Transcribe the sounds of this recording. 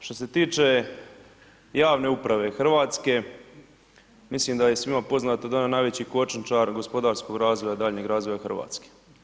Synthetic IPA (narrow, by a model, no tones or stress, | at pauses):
ʃt̪o̞se̞t̪iːt͡ʃe | jaːʋne̞upɾaʋe̞xr̩ʋaːt̪ske̞ | mislimd̪aje̞sʋimapo̞znaːt̪od̪aonanaːjʋet͡ɕiko̞t͡ʃnt͡ʃaɾɡo̞spo̞d̪aːɾsko̞ɡɾaːzʋo̞jad̪aːʎɲeɡɾaːzʋojaxr̩ʋa̰ːt̪ske̥